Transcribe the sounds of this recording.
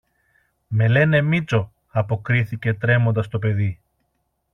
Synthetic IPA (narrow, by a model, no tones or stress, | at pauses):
me̞le̞ne̞mit͡so̞ | ɐpo̞kɾiθice̞t̪ɾe̞mo̞nd̪ɐst̪o̞p̬e̞ði